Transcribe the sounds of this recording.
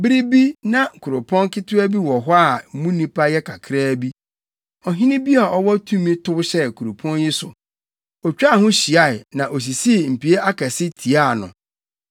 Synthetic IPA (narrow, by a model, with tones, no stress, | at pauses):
bɪ˦ɾi˦bi˦nã˦˨kʰʊ˨ɾʊ˨pʰɔ̃˦nkɪ˦tʰʊ˦æ˦bi˦wɔ˨ɦɔ˦a˦˨˦mũ˦nĩ˦pʰa˦jɛ˦kʰa˨kʰɾɛː˦bi˦ | ɔ˨ɦĩ˦nɪ̃˦bi˦a˨ʔɔ˦wɔ˦tʰũ˦mĩ˦tʰʊ˦ɕɛ˦˨kʰu˨ɾu˨pʰɔ̃˦njɪ˦sʊ̰˨ | ɔ˨t͡ɕᶣa˦˨hʊ̃˦ɕi˨a˦ɪ˨nã˨ʔɔ˨s̬i˨si˦˨m̩˨pi˨e˦ʔa˦kʰɛ˨sɪ˦tʰi˨a˦˨nʊ̰̃˨